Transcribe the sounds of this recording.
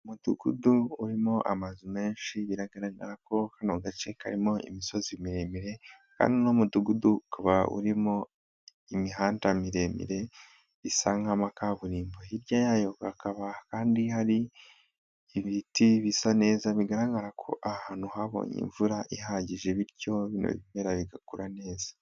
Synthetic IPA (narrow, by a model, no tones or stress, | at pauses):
umuduɡ̥uduːɾimo̞ʔa̰mazume̞ːnʃiβiɾaɡaɾaɡa̰ɾako̞kanoɡat͡ʃe̞ka̰ɾimo̞ḭmiso̞zimiɾe̞miɾe̞ | ka̰ːndino̞muduɡudukaβaʔṵɾimo̞ | imiɦaːntamiɾe̞mḭɾe̞ | isaŋamakaβuɾiːmboiɾɟajaːjo̞kakaβakaːndihaɾi | βitiβisane̞ːzaβiɡaɾaɡaɾakʰo̞̰ʔahaːn̥huɦaβo̰ːɲḭɱvuɾaʔiɦaɟiʒe̞βiɾɟo̞βino̰βiβeːɾaβiɡakuɾane̞ːzḁ